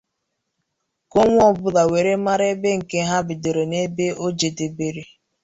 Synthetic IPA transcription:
ko˦ŋʷ˦ɔ˦bʊ˦da˨we˨ɾe˦ma˦ɾe˦be˦ŋ̩˨ke˦ɦa˦bɪ˨de˨ɾo˨ne˦be˦o˦d͡ʒe˨de˨be˨ɾi˦

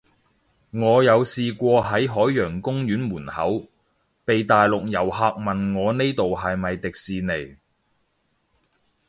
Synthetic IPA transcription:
ŋɔː˨˧jɐ˨˧wsiː˨kʷɔː˧ɦɐ˨˥jɦɔː˨˥jːœː˨˩ŋkʊ˥ŋjyː˨˥nmuː˨˩nhɐ̰˨˥w | pe˨jt̪aː˨jlʊ˨k̚jɐ˨˩whaː˨k̚mɐ˨nŋɔː˨˧ne˥jt̪o˨whɐ˨jmɐ˨jt̪ɪ˨k̚siː˨ne˨˩j

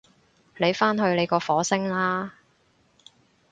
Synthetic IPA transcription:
le˨˧jfaː˥nɦɵ˧ɥle˨˧jkɔː˧fɔː˨˥sɪ˥ŋlaː˥

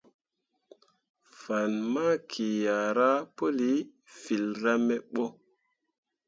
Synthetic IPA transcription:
fa˨nma˦kʰi˨ja˨ɾa˦po˦li˨˦ | fi˨lɾa˦mɛ˦ɓo˦

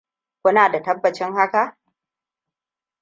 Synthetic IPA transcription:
kʷʊ˦naː˨da˨tɐ˦bːɐ˨t͡ʃɪ˦ŋɦa˦ka˨ʔ

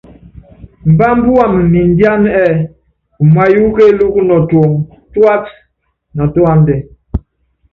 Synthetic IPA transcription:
m̩˨ba˦m̩˦bu˦wa˨m˨ni˨n˦di˦a˦n˦ɛ˦ | u˨ma˦ju˦ke˦lu˦knɔ˨to˨ŋ | twa˦t | na˨tɔ˦a˦ndɛ˨

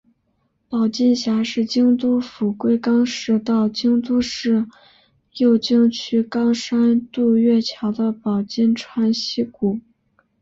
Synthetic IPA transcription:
pɑ˨˩ʊt͡ɕi˥˩nɕja˧˥ʂɻ̩˥˩t͡ɕi˥ŋt̪u˥fu˨˩kwe˥˧ɪkɑ˥ŋʂɻ̩˥˧t̪ɑ˥˩ʊt͡ɕi˥ŋt̪u˥ʂɻ̩˥˩ | jo˥˩ʊt͡ɕi˥ŋt͡ɕʰy˥kɑ˥ŋʂa˥nt̪u˥˧ɥɛ˥˩t͡ɕʰjɑ˧˥ʊd̪ə˧pɑ˨˩ʊt͡ɕi˥˧nʈ͡ʂʰwa˥nɕi˥ku˨˩˦

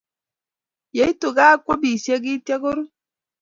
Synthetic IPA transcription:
je˨˦i˦to˨ɡaː˦kʷo˦bi˨si˦e˦ɡi˦te˦ɡo˦ɾu˦

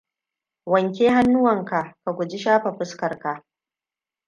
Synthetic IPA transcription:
wɐ˨ŋkʲeː˦ɦa˦nːʊ˦wɐ˨ŋka˨ka˨ɡʷʊ˨d͡ʒi˦ʃaː˦ɸa˨ɸʊ˦skɐ˨rka˨ʔ

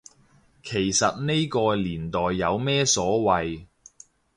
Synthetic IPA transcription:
kʰe˨˩jsɐ˨t̚ne˥jkɔː˧liː˨˩nt̪ɔː˨˩jːɐ˨˧wmɛː˥sɔː˨˥wɐ˨j

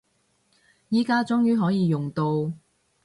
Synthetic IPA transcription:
jiː˥kaː˥t͡sʊ˥ŋjyː˥ɦɔː˨˥jiː˨˧jʊ˨ŋt̪o˧w

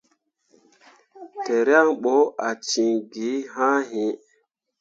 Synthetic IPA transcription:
te˨ɾa˦ŋɓo˨˦a˨t͡ʃi˨ŋɡi˨˦ɦã˦ɦĩ˨

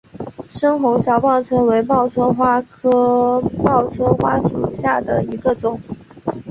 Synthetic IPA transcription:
ʂɤ˥ŋxʊ˧˥ŋɕjɑ˨˩ʊpɑ˥˩ŋʈ͡ʂʰwə˥nwe˧˥ɪmɑ˥˩ʊt͡sʰwə˥xwa˥kʰɤ˥mɑ˥˩ʊt͡sʰwə˥xwa˥ʂu˨˩ɕja˥˩d̪ə̰˩i˧˥ɡə˧ʈ͡ʂʊ˨˩˦ŋ

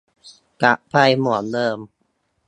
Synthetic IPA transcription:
ka˦˥ʔpʰa˧jmu˨˩˦ndɤː˧m

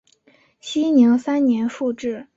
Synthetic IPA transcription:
ɕi˥ni˧˥ŋsa˥nnjɛ˧˥nʂu˥˧ʈ͡ʂɻ̩˥˩

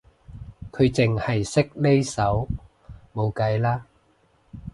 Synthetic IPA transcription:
kʰɵ˨˧ɥt͡sɪ˨ŋhɐ˨jsɪ˥k̚le˥jsɐ˨˥w | mo˨˧wkɐ˨˧˥jlaː˥

